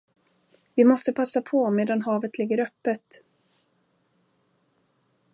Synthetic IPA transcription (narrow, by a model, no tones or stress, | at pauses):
vɪmɔst̪əpʰasːapʰɔmeːd̪anɦɑːvət̪lɪɡːəɾœpːət̪